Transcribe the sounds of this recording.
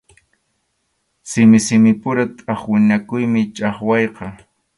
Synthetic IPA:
sɪmɪsɪmɪpʊɾat̪ʼɑχwɪnakʊjmɪt͡ʃʼɑχwɑjqɑ

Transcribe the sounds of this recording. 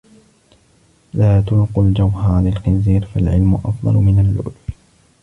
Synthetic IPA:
laːt̪ʊnqʊld͡ʒawhɑːlɪlxɪnziːɾfalʕɪlmʊʔɑfd̪ˤɑ̰lmɪnalʔʊ̰lf

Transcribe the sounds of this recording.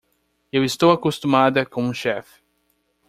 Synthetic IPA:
ewist̪owakost̪ũmad̪ɐkõũʃɛf

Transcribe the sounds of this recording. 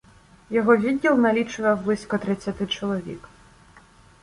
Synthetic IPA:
jɔɦɔʋʲidʲːilˠnɐlʲit͡ʃʊjɛblˠɪsʲkɔt̪ɾɪt͡sʲːat̪ɪt͡ʃɔlˠɔʋʲḭk

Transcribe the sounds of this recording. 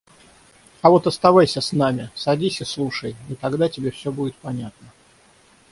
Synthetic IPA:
ɐvo̞t̪ɐst̪ɐvajsʲəsnamʲɪsɐdʲisʲəslˠuʂəjit̪ɐɡd̪atʲɪbʲefsʲɵbudʲɪt̪̚pɐnʲat̪̚nə

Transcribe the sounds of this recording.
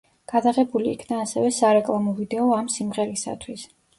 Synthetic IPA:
ɡ̥ad̪aʁɛbulḭːkʰnaːsɛvɛsaɾɛkʼlˠamɔvid̪ɛɔamsimʁɛɾisa̰t̪ʰwis

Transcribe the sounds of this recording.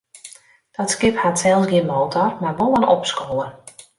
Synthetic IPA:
d̥ɔtskɪphatsɛlˠsɡɪənmoːtʰɔrmarbolˠənɔpskoːlˠə

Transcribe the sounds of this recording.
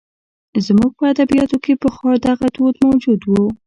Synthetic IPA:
zmuɡ̚pəad̪abijɑt̪okepəxɑɾd̪aɣad̪od̪mawd͡ʒud̪wu

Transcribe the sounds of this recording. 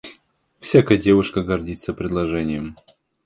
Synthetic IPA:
fsʲakəjədʲe̞vʊʂkəɡɐrdʲit̪səpɾʲɪd̪lˠɐʐɛnʲɪjəm

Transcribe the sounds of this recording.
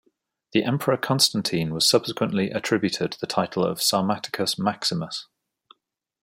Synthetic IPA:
ðiʔɛ̃mpʰəɹəkʰɒ̃nstãntʰĩːnwɒz̥sʌb̥sɪkwə̃nʔliʔətʰɹ̥ɪbjʉtʰɪd̪̚ʰðətʰaɪtʰˡəl̩ə̰v̥sɑːmatɪ̥kʰəsmaksɪməs

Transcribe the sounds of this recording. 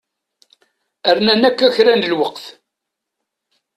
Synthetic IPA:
əɾnænækːæçɾænd̪əlwəqθ

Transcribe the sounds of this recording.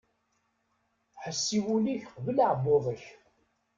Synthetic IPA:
ħəsːiwuliçqvələʕəbːʊðˤəç

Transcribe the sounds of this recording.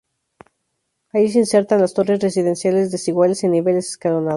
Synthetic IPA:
ais̬einse̞ɾt̪anlast̪o̞resre̞s̬iðe̞nsjale̞zðe̞siɣwalesenːiβe̞lese̥skalonað

